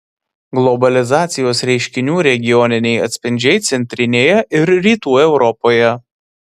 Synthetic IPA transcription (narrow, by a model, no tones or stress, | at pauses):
ɡlˠɔbɐlʲɪzɑːt̪sʲɪjoːsɾʲɛɪʃʲkʲɪnʲuːɾʲɛɡʲɪjɔnʲɪnʲɛɪɐ̰t̪ʲsʲpʲɪnʲd͡ʒʲɛɪt̪sʲɛnʲt̪ʲɾʲɪnʲeːjɛʔɪɾɾʲiːt̪uːɛʊɾɔpoːjɛ